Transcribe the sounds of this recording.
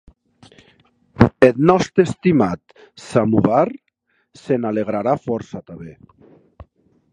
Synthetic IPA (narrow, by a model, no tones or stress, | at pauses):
et̪nɔst̪ɾest̪imat̪ | samuβaɾ | senaleɣ̞ɾaɾafɔɾsat̪aβe